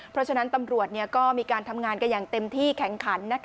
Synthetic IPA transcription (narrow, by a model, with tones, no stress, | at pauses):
pʰɾɔ˦˥t͡ɕʰa˧na˦˥nt̪a˧mɾu˨˩ət̪̚ni˥˩ɐkɔː˥˩miː˧kaː˧nt̪ʰa˧mŋaː˧nka˧njaː˨˩ŋt̪e˧mt̪ʰiː˥˩kʰɛ˩˦ŋkʰa˩˦nːa˦˥kʰ